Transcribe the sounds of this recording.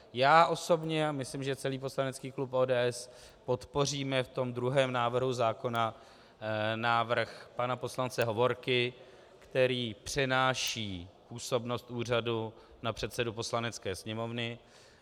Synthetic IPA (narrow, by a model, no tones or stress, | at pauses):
jaːʔo̞so̞bɲɛamɪslɪmʒɛt͡sɛliːp̬oslanɛt͡skiːklupʔoːdɛːʔɛs | po̞t̪po̞r̝iːmɛft̪o̞md̪ɾuɦɛːmnaːvr̩ɦuzaːko̞na | naːvr̩xpanapo̞slant͡sɛɦo̞vo̞ɾkɪ | kt̪ɛɾiːpr̝̥ɛnaːʃiːpuːso̞bno̞st̪ʔuːr̝adu | napr̝̥ɛt̪sɛdupo̞slanɛt͡skɛːsɲɛmo̞vnɪ